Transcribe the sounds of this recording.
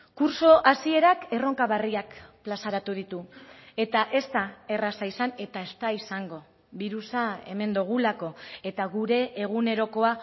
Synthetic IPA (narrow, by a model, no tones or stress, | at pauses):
kuɾso̞ʔasie̞ɾake̞ro̞ŋkaβariakplasaɾat̪uð̞it̪ue̞t̪aʔe̞st̪ae̞rasaisane̞t̪ae̞st̪aisaŋɡo̞ | βiɾusae̞̰me̞nd̪uɣ̞ulako̞e̞t̪aɣuɾe̞ːɣ̞une̞ɾo̞ko̞a